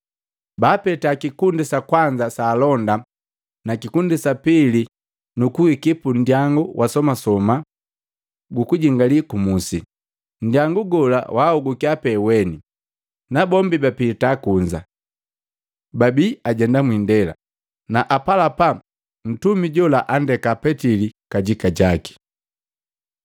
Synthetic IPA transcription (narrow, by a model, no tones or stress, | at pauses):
baːpɛtaːkikundisakwaɲd͡ʒasaːlɔnda | nakikundisapili | nukuhikipun̩djaŋɡuwʔasɔmasɔma | ɡukuɟiŋɡalikumusi | n̩djaŋɡuɡɔla̰wauɡukiapɛwɛni | nabɔmbibapilitakuɲd͡ʒa̰ | babiaɟɛndamwindɛla̰ | naʔapalapa | n̩tumiɟɔlaʔandɛkapɛtilikaɟikaɟaki̥